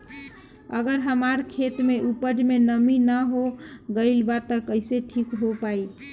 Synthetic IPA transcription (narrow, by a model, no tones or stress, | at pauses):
ə̰ɡəɾɦəmaɾkʰet̪meʔupəd͡ʒmenəminəɦoɡəɪlbat̪əkəɪseʈʰikɦopai